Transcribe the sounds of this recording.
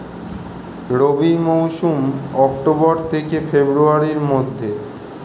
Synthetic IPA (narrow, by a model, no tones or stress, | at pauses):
ɾobʱimowʃumɔk̚ʈobɔɾt̪ʰekefebɾuaɾiɾmod̪ʱːe